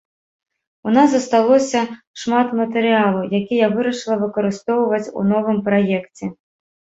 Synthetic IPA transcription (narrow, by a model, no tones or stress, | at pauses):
unazɐst̪alˠɔsʲɐ | ʂmat̪mɐt̪ɨɾɨalˠɐjakʲijavɨɾɐʂɨlˠɐvɨkɐɾɨst̪ɔwvɐt͡sʲṵnɔvɨmpɾajɛkt͡sʲɛ